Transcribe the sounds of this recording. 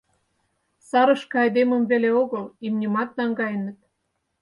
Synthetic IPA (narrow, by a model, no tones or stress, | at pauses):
sɑɾə̆ʃkɤ̆ɑjd̪emə̆mveleoɣɤlimnʲimɑt̪̚nɑŋɡɑjə̆nə̆t̪̚